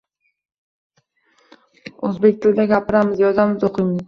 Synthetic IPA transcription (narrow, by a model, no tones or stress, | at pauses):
ɵzbe̞k̚ʲt̪ʰɪld̪aɡʲapʰɪɾamɪzjɒd̪amɪzoqʰɨjmɪz